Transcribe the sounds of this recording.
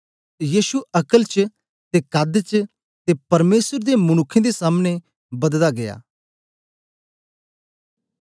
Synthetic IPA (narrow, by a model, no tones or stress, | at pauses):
jiːʃuɐkəlt͡ʃ | t̪ekad̪t͡ʃ | t̪epɐɾmeːsəɾd̪emʊñʊkʰːẽd̪esaːmne | bɐd̪laɡɐja̰ː